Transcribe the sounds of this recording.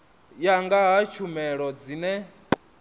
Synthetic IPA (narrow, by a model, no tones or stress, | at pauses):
jaŋɡaɦat͡ʃʰumɛɺɔd͡zinɛ